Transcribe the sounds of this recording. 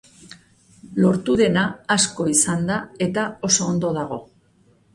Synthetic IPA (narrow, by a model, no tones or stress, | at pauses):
lo̞ɾt̪uðe̞naːsko̞isand̪ae̞t̪ao̞so̞ːnd̪o̞ðaɣ̞o̞